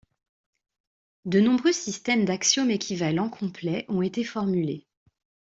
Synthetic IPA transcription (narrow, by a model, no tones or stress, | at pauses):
d̪ənɔ̃bʁøsist̪ɛmd̪aksjɔmekʲʰivalɑ̃kʰɔ̃plɛʔɔ̃et̪efɔʁmyle